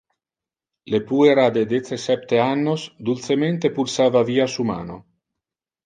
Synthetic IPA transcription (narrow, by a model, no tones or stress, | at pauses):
lepueɾad̪ed̪et̪sesɛp̚t̪eanːosd̪ult̪sement̪epulsaːvaviːasuma̰ːno̰